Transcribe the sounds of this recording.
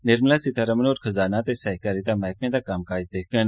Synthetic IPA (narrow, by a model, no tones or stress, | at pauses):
nɪɾmlaːsit̪ʰaɾəmənoːɾxəzaːnaːt̪eːsɛːɦkaːɾitd̪aːmaːkmẽːd̪aːkaːmkaːɪd͡ʒd̪eːk̚ʰɡən